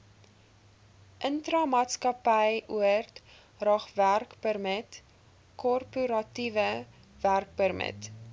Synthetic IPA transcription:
ʔəntrɐmɑːtskɐpəjʔuərt | rɑːχværkpərmət | kɔrpuɾɐtivə | værk̚pərmə̰t

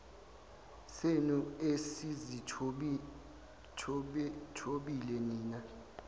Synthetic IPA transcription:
senuesizi | tʰoɓilɛniːna

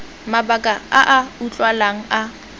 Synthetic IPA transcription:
mabakʼaaʔaut͡ɬʼwalaŋ̩a

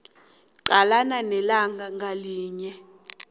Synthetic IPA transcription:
ǃalananɛlaŋɡaŋɡaliːɲɛ

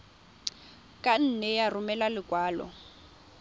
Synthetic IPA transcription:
kʼan̩nɛjarʊmɛlalɪkʼwaːlɔ̰

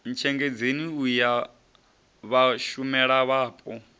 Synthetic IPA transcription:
n̩t͡ʃʰɛŋɡed͡zeniuja | βaʃumɛɺaβaːpʼɔ

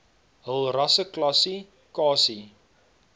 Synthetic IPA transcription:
ɦəlˠrɐsəklɐsi | kɑːsi

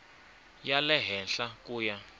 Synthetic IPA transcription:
jalɛɦɛnɬakuːja

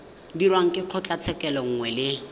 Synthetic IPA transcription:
dirwaŋ̩kʼɪq͡χʰɔt͡ɬʼat͡sʰɛkʼɛlɔŋ̩ŋwɛlɪ

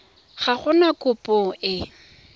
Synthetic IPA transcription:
χaχʊnakʼʊpʼɔɪ

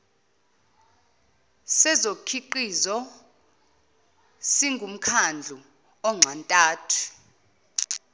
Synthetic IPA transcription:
sɛzokʰiǃizɔ | siŋʱum̩kʰand͡ɮʱu | ɔŋ͡ǀʱantʼaːtʰu̥

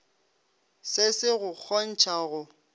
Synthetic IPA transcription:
sɪsɪɣʊk͡xʰɔn̩t͡ʃʰaɣʊ

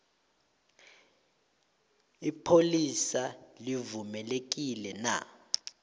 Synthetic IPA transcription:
ipʰolisalivumɛlek̬ilɛna̰

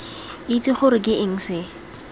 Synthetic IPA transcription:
it͡sʼiχʊɾɪk̬ʼɪʔɪŋ̩sɪ

